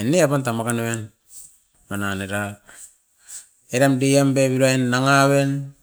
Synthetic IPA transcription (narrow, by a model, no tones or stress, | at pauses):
eneapantamakanowen | mananeɾa | eɾamdejambeβilaenːaŋaβen